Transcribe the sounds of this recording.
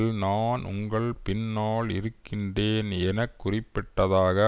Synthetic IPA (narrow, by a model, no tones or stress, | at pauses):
lnaːnʔʊ̰ŋɡɐɭpɪnːaːɭɪ̰ɾɯkkːɪndeːnɛnɐkːʊrɪpːɪʈːɐðaːɣɐ